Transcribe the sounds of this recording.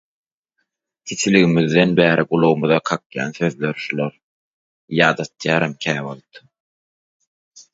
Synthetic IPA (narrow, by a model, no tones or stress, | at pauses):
t̪ʰit̪ʰiliɣimiðːenbæːɾiɡulˠowumuðɑqʰɑkjɑ̰ːnθø̞ðløɾʃulˠoɾ | jɑːd̪ɑt̪ʰjɑːɾɑmkʰæːβolˠt̪